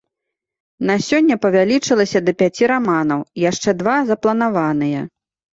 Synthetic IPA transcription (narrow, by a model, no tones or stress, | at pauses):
nasʲɔnʲːɐpɐvʲalʲit͡ʂɨlˠɐsʲɐd̪ɐpʲat͡sʲiɾamanɐwjaʂt͡ʂɛd̪vazɐplˠɐn̪avanɨjɛ̰